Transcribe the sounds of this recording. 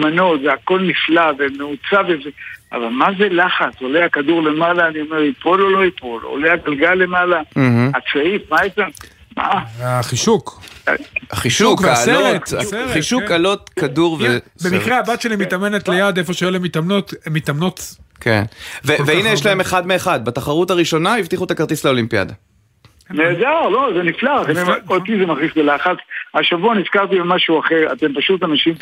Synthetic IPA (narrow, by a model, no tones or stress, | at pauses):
mano̞t̪zeako̞lniflavemeut͡savezea̰valmazelaχat͡soleakad̪uʁlemalaːniomeʁipʰololo̞ipolo̰leaɡalɡalːemalah̩at͡saifmaeta | ma̰aχiʃuk | aχiʃukvaalseloetaseʁχiʃukalot̪kaduʁvebemikʁeabatʃelimit̪ame̞net̪lejad̪e̞fo̞ʃejelemit̪amnot̪mit̪amnot̪kʰḛnveveinejeʃlaeme̞χadmeːχad̪̚bat̪aχaʁutaʁiʃo̞naivt̪iχut̪akaʁt̪isleolimpija̰d̪a̰ | neːdaʁlozeniflaʁtaniot̪izemaχzisbelaχat͡saʃavuanizkaʁt̪ibemaʃuaχeʁa̰t̪empaʃutanaʃim